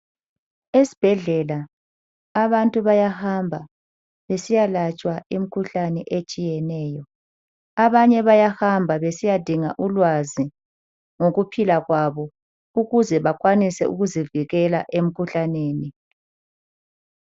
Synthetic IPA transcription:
esi̥b̥ʱɛɮɛlaː | βantʼuβajahambʱa | βesijalat͡ʃʼwaim̩kʰuɬanɛʔet͡ʃʼijɛnɛːjɔ | aβaɲɛβajahambʱaβesijad̥ʱiŋaʔulwazi | ŋoɣupʰilaɣwaβɔ | uɣuzɛβakʰʼwanisɛ̰ṵɣuziviɣɛlaʔem̩kʰuɬaneːni

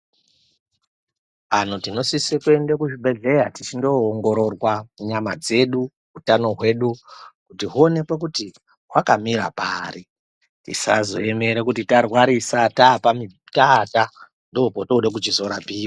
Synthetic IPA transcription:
an̤utino̞sisekue̞ndekuʐiɓe̞ɮe̞ɾatit͡ʃindo̞ːŋɡo̞ɾo̞rwauɲamad͡ze̞ɗu | ɦutano̞ɦwe̞ɗukutiɦuone̞pwek̬uti | wakamiɾa̰paːri | tḭsazo̞̰eme̞ɾekutitarwaɾisatapami | taːta | ndoupotouɗek̬ut͡ʃizo̞ɾapiːwa

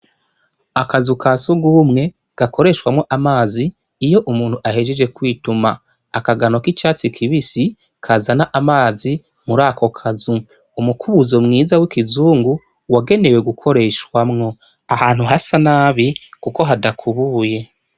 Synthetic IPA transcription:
akazukʰasuɡuːmŋe̞ | ɡ̥akʰo̞ɾe̞ʃwamŋo̞ʔamaːziː | jo̞ʔumuːnhuʔahed͡ʒed͡ʒe̞kwiːtuma | akaɡano̞kit͡ʃaːt͡sikʰiβisi | kʰaːzanaʔamaːzi | muɾaːkʰo̞kʰazuː | mukʰuβuzomŋiːzawikizuːŋɡu | waɡe̞ne̞we̞ɡukʰo̞ɾe̞ʃwamŋo̞ | ahaːnhuɦasanaːβikuko̞ɦadakʰuβuːje̞

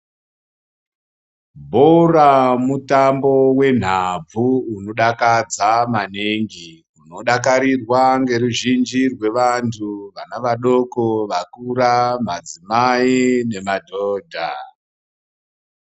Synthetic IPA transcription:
bʱoramutambo̞we̞n̤ab͡vuuno̞ɗakad͡zamaneŋɡi | uno̞ɗakaɾirwaŋɡe̞ɾuʒind͡ʒirwe̞ʋantʰuʋanaʋaɗo̞koʋakuɾamad͡zimaine̞madʱoːdʱa̰

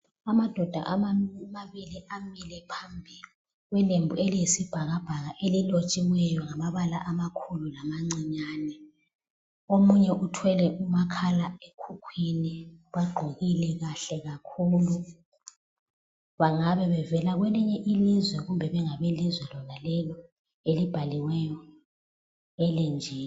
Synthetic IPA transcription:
amad̥ʱɔd̥ʱa̰ʔamaβiliʔamilɛpʰambʱi | ɣwɛlembʱuelijesib̥ʱaɣab̥ʱaɣaʔelilot͡ʃʼiwwɛjɔŋamaβalaʔamakʰululamaŋ͡ǀiɲaːnɛ | omuɲɛʔutʰwɛlɛʔumakʰalaekʰukʰwiniβaɡ͡ǃʱoɣilɛɣaɬɛɣakʰuːlu | βaŋaβɛβɛvɛlaɣwɛliɲɛʔilizwɛɣumbʱɛβɛŋaβɛlizwɛlɔnalɛlɔ | elib̥ʱaliwɛjɔ | ɛlend͡ʒʱiːn

